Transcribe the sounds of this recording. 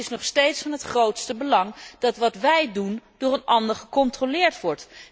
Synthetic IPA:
ɪsnɔχstejtsfɑnɦətχrowtstəbəlɑŋd̥ɑtʋɑtʋɛjdundʊːɹənɑndəɹχəkɔntrolɪːɹtʋɔɹt

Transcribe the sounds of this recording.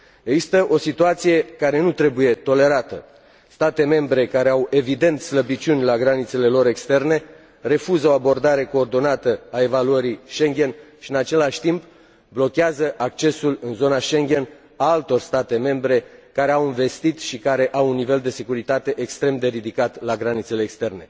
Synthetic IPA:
eɡzist̪əʔo̞sit̪uat̪sije̞kaɾe̞nut̪ɾe̞buje̞t̪o̞le̞ɾat̪ə | st̪at̪e̞me̞mbɾe̞kaɾe̞awe̞vid̪e̞nt̪ʲsləbit͡ʃʲunʲlaɡɾanit̪se̞le̞lo̞ɾe̞kst̪e̞rne̞ | re̞fuzəo̞abo̞rd̪aɾe̞ko̞ːrd̪o̞nat̪əae̞valuəɾijʃe̞ŋɡʲe̞nʃiɨnat͡ʃe̞laʃʲt̪imp | blo̞kʲeazəʔak̚t͡ʃe̞sulɨnzo̞naʃe̞ŋɡʲe̞n | aalt̪o̞rst̪at̪e̞me̞mbɾe̞kaɾe̞awiɱve̞st̪it̪ʃikaɾe̞ʔawunːive̞ld̪e̞se̞kuɾit̪at̪e̞ʔekst̪ɾe̞md̪e̞ɾid̪ikat̪laɡɾanit̪se̞leːkst̪e̞rne̞

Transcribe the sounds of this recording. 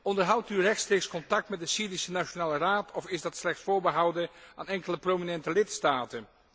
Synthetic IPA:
ɔndəɹɦʌwtyrɛxtstreːkskɔntɑk̚tmɛt̚dəsiːdisənaʃonaːləraːtʰɔfɪzdɑtslɛχtsfʊːɹbəɦʌwdəaːnɛŋkələprowminɛntəlɪtstaːtən

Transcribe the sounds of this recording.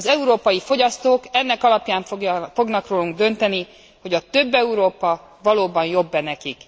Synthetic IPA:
zɛuɾoːpɒjifo̞ɟɒst̪oːkɛnːɛkɒlɒpjaːɱfo̞ɡnɒkroːluŋɡd̪ø̞nt̪ɛni | ho̞ɟɒt̪ø̞bːɛuɾoːpɒ | vɒloːbɒnjo̞bːɛnɛkik

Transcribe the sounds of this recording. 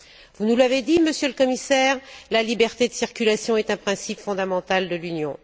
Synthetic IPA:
vunulaved̪iməsjøləkɔmisɛːʁlalibɛʁt̪ed̪əsiʁkʲylasjɔ̃ɛt̪ɛ̃pχɛ̃sipfɔ̃d̪amɑ̃t̪ald̪əlynjɔ̃

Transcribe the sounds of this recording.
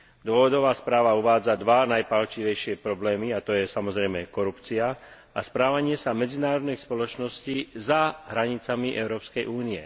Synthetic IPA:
d̪ʊɔʋɔd̪ɔʋaːspɾaːʋauʋaːd͡zad̪ʋanajpalt͡ʃiʋɛjʃɪɛpɾɔblɛːmiat̪ɔjɛsamɔzɾɛjmɛkɔɾupt͡sia | aspɾaːʋaɲɪɛsamɛd͡zinaːɾɔd̪nɛjspɔlɔt͡ʃnɔsciːzaɦɾaɲit͡samiʔɛʊɾɔːpskɛjʔuːniɛ̰

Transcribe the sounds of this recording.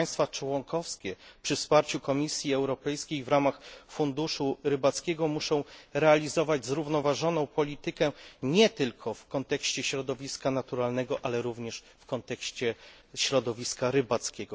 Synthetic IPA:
j̃st̪fat͡ʂwɔŋkɔfskʲɛpʂɘfspaɾt͡ɕukɔmʲisʲjiɛwɾɔpɛjskʲejvɾamaxfund̪uʂuɾɘbat̪skʲɛɡɔmuʂɔ̃w̃ɾɛalʲizɔvad͡ʑzɾuvnɔvaʐɔnɔ̃w̃pɔlʲit̪ɘkɛɲɛt̪ɘlkʰɔfkɔnt̪ɛkɕt͡ɕɛɕɾɔd̪ɔvʲiskanat̪uɾalnɛɡɔʔalɛɾuvɲɛʂ | fkɔnt̪ɛkɕt͡ɕɛ | ɕɾɔd̪ɔvʲiskaɾɘbat̪skʲɛɡɔ

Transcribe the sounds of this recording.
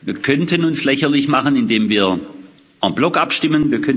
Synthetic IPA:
viːɐkʰœntʰənʊnslɛçɐlɪçmaχənɪndeːmviːɐ | amb̥lɔkʔapʃtɪmənviːɐkʰœn

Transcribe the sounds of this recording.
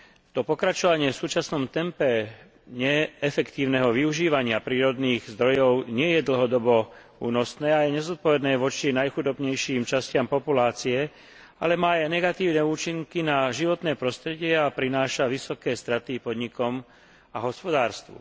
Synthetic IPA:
t̪ɔpɔkɾat͡ʃɔʋaɲɪɛfsuːt͡ʃasnɔmt̪ɛmpɛ | ɲɛɛfɛkt̪iːʊnɛɦɔʋiuʒiːʋaɲɪapɾiːɾɔd̪niːɣzd̪ɾɔjɔʊɲɪɛjɛd̪l̩ɦɔd̪ɔbɔ | ṵːnɔsnɛːajɛɲɛzɔt̪̚pɔʋɛd̪nɛːʋɔt͡ʃinajxud̪ɔbɲɛjʃiːmt͡ʃascɪampɔpulaːt͡siɛ | a̰lɛmaːajnɛɡat̪iːʊnɛuːt͡ʃiŋkinaʒiʋɔt̪nɛːpɾɔst̪ɾɛɟɪɛapɾinaːʃaʋisɔkɛːst̪ɾat̪ipɔd̪ɲikɔm | aɦɔspɔd̪aːɾst̪ʋṵ

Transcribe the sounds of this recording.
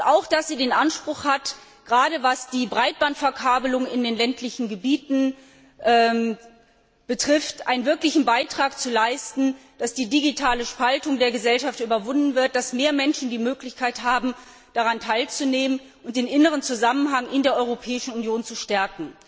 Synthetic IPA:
ʔaʊxd̥asz̥iːdeːnʔanʃpʁ̥ʊxhat | ɡ̥əʁaːɾəvasd̥iːbʁaɪt̚b̥antfɛɐkʰaːbəlʊŋɪndeːnlɛntʰlɪçn̩ɡəbiːtn̩ | ʔɛː | b̥ətʁ̥ɪftʔa̰ɪnənvɪɐklɪçn̩baɪtʁ̥aːkt͡sulaɪstn̩d̥asd̥iːdiɡitʰaːləʃpaltʊŋdeːɐɡəzɛlʃaftʔyːbɐvʊndn̩vɪɐt̚d̥asmeːɐmɛnʃn̩diːmøːklɪçkʰaɪthaːbm̩ | d̥aʁantʰaɪlt͡suneːmən | ʔʊnt̚d̥eːnʔɪnəʁ̞ənt͡suzamənɦaŋʔɪndeːɐʔɔʏʁopʰɛːɪʃn̩unjoːnt͡suʃtɛɐkŋ̩

